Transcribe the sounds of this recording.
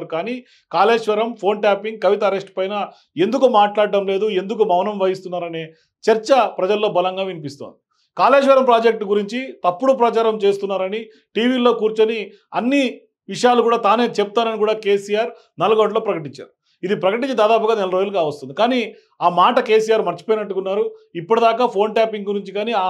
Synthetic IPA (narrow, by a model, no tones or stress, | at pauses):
ɾukaːniː | kaːle̞ːʃʋɐɾɐmpʰo̞ːnʈaːpiŋɡ̚kːɐʋit̪ɐːɾesʈpɐjnɐ | e̞nd̪ukumaːʈlaːɽɖɐmle̞ːd̪ue̞nd̪uk̬umɐwnɐmʋɐjist̪unːaːɾɐne̞ː | t͡ʃɐɾt͡ʃɐpɾɐd͡ʒɐlːo̞ːbɐlɐŋɡaːʋinipist̪o̰nd̪i | kaːleːʃ̬ʋɐɾɐmpɾaːd͡ʒek̚ʈɡuɾiɲt͡ʃit̪ɐpːuɽupɾɐt͡ʃaːɾɐmt͡ʃe̞ːst̪unːaːɾɐni | ʈiːʋiːlo̞ːkuːɾt͡ʃoni | ɐnːi | ʋiʂɐjaːlukuːɽaːt̪aːne̞ːt͡ʃɛp̚t̪aːnɐnikuːɽaːke̞ːsijaːɾ | nɐlɐɡɐɳlo̞ːpɾɐkɐʈ̬iɲt͡ʃa̰ːɾu | id̪ipɾɐkɐʈ̬iɲt͡ʃid̪aːd̪aːpuɡaːnɛlɐɾoːjulukaːʋɐst̪und̪ikaːniː | aːmaːʈɐke̞ːs̬ijaːɾmɐɾt͡ʃi̥po̞ːjinɐʈːukunːaːɾuipːuɽɐd̪aːkaːpʰo̞ːɳʈaːpiŋɡɡuɾiɲt͡ʃikaːniːaː